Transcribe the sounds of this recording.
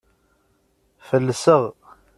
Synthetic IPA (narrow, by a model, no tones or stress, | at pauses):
fəlːəsəʁ